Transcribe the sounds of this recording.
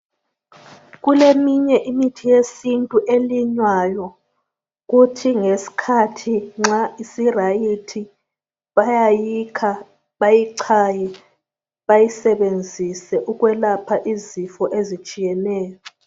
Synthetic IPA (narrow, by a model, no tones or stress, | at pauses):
ɣulemiɲɛʔimitʰijesintʼuʔeliɲwajɔ | ɣutʰiŋesi̥kʰatʰiŋ͡ǁaisirajitʰi | βajajikʰa | βajiǀʰaːjɛ | βajisɛβend͡zʱisɛʔuɣwɛlapʰaʔizifɔʔezit͡ʃʼijɛnɛːjɔ